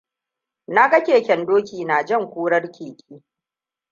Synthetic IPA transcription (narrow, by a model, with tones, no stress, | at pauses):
na˦ɡɐ˦kʲeː˨kʲɛ˨ndoː˦kʲiː˨naː˨d͡ʒɐ˦ŋkʷuː˦ɽɐ˦rkʲʰeː˨kʲʼiː˦